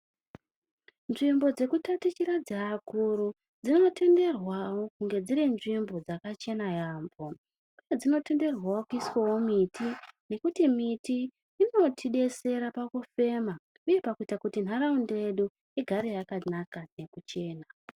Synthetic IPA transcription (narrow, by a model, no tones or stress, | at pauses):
nʐimbo̞d͡ze̞kutatit͡ʃiɾad͡zaːkuɾu | d͡zino̞te̞nde̞rwawo̞kuŋɡe̞d͡ziɾenʐimbo̞d͡zakat͡ʃe̞najaːmbo̞ | uje̞d͡zino̞te̞nde̞rwawokuiswawomitʰine̞kutimitiː | no̞tʰiɗe̞se̞ɾapakufe̞ːma | uje̞pakuitakutin̤aɾaundeɗu | iɡʱaɾejakanakane̞kut͡ʃe̞ːna